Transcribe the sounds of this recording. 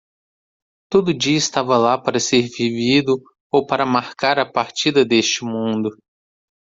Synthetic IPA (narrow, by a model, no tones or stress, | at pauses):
t̪od̪ʊd͡ʒiɐɪst̪avɐlapaɾɐseɾvivid̪ʊ | owpaɾɐmaɾkaɾɐpaɾt͡ʃid̪ɐd̪est͡ʃɪmũnd̪ʊ